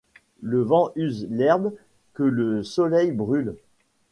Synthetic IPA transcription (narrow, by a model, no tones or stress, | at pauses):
ləvɑ̃ʔyzlɛʁb | kələsɔlɛjbʁyl